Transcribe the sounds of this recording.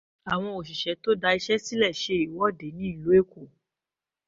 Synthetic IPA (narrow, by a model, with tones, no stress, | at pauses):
a˨w̃ɔ̃˧o˨ʃ̬i˨ʃɛ˨˦to˦da˧i˧ʃɛ˦si˦lɛ˦˨ʃe˧i˨wɔ˦de˨˦nĩ˦i˦˨lo˨˦e˦˨ko˦˨